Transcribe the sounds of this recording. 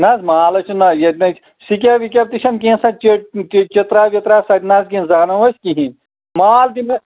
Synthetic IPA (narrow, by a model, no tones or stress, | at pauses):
nazmaːlɐt͡ʃʰunɐjɐt̪ʲnɐt͡ʃʰ | sik̬ʲɐʋik̬ʲɐp̚t̪iʃʰɐnkẽsɐt͡ʃet͡ʃit̪ɾaːʋit̪ɾaːsɐtnazkizaːnɐʋɐskiɦĩn | maːlt̪ime